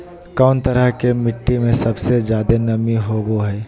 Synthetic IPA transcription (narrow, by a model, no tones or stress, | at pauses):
kaːnt̪əɾəɦkemɪʈːimẽsɐbsezjaːd̪enɐmiɦoːɡoɦɛː